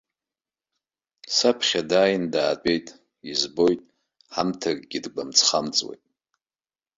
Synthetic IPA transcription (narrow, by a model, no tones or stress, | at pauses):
sapʰχʲadaːjɪndaːdʷʼe̞jtʼ | izbo̞jtʼ | ħamtʰarɡʲidɡ͡bʷamt͡sʰχamt͡sʼwḛjtʼ